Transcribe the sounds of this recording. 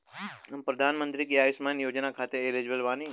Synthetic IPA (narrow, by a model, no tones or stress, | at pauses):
ɐmpɾɐd̪ʱaːnmə̃nt̪ɾikiaːʋɪsmaːnjoːd͡ʒnakʰaːt̪eeled͡ʒbəlʋaːni